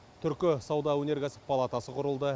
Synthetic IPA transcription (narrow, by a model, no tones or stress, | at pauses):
t̪ʰʏɾkʲɪsɑwd̪ɑwɵne̞ɾkʲæsɪ̥ppʰːalˠat̪ɑsəqʰʊɾəlˠd̪ə